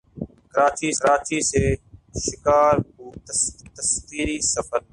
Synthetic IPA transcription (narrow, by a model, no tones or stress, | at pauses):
kəɾaːt͡ʃiːɾaːt͡ʃiːseːʃɪkaːɾkuːt̪əst̪əskiːɾiːsəfəɾ